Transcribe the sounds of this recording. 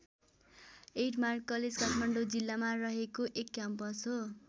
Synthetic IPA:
eʈmarkːʌled͡zkaʈʰmaɳɖod͡zilːamarʌɦekoʔekːampʌsɦo

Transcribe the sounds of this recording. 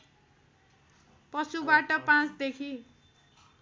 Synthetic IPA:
pʌsubaʈʌpãt͡sd̪ekʰi

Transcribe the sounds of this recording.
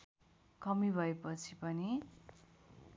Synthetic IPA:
kʌmibʱʌepʌt͡sʰipʌni

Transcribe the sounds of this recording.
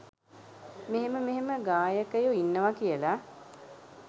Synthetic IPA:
meɦeməmeɦeməɡaːjəkəjuinːəʋakijəla

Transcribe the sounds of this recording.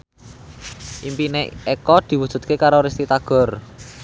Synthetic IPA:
ʔimpineekɔd̪̥i̤wu̥ʒ̥ṳt̪̚kekaɾoɾist̪it̪aɡ̥ɔ̤r

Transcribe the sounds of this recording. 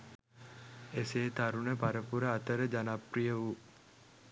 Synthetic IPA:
eseːt̪aɾunəpaɾəpuɾəɐt̪əɾəd͡ʒanapɾijəʋu

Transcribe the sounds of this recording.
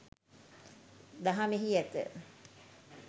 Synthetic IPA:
d̪aɦameɦiɛt̪ə̰

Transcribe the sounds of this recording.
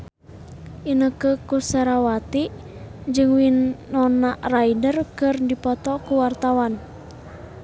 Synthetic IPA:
ʔinəkəkusɛɾawat̪iʔ | d͡ʒɨŋwinːɔnaʔraidərkɨrdipɔt̪ɔkuwart̪awan

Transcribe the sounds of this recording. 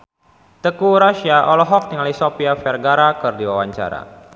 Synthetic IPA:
t̪əkuɾaʃiaʔɔlɔɦɔk̚t̪iŋalisopiafɛrɡaɾakɨrdiwawaɲt͡ʃa̰ɾa̰

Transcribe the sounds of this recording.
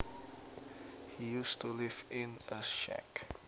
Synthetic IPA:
hijustulɪvɪ̃nʔəʃɛ̰k

